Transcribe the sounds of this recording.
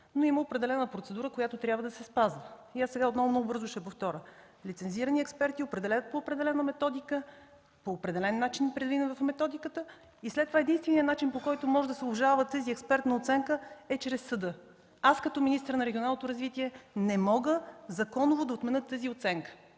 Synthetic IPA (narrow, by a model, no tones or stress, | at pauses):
noiməopɾɛd̪ɛlɛnəpɾot̪sɛd̪uɾəkojat̪ot̪ɾʲjabvəd̪ɐsɛspazvəiasɛɡaot̪nɔvʊmnɔɡʊbɤɾzʊʃɛpoft̪ɔɾə | lit̪sɛnziɾəniɛkspɛɾt̪iopɾɛd̪ɛlʲajət̪̚poːpɾɛd̪ɛlɛnəmɛt̪ɔd̪ikə | poːpɾɛd̪ɛlɛnːat͡ʃinpɾɛd̪vinəvɐfmɛt̪ɔd̪ikət̪ə | islɛt̪ːovaɛd̪inst̪vɛnijənat͡ʃinpokɔjt̪omɔʒɛd̪ɐsɛlˠɐʒalˠvət̪əziɛkspɛɾt̪nɐot̪sɛŋkəɛt͡ʃɾɛsːəd̪ɤ | askɐt̪ɔminist̪əɾnɐɾɛɡʲionalˠnot̪oɾɐzvit̪iɛnɛmɔɡəzɐkɔnovod̪ɐot̪mɛnɤt̪ːəziot̪sɛŋkə̥